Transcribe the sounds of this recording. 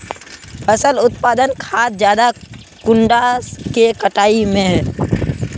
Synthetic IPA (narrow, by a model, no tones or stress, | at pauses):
pʰəsəlʊt̪paːd̪ənkʰaːt̪d͡ʒjaːd̪a | kʊ̃ɳɖaskekəʈaːimẽɦɛː